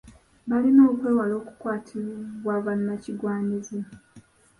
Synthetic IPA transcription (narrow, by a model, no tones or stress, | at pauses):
balinoːkweːwalo̞ːku̥kwaːtʰilβwaβanːaciɡwaːɲize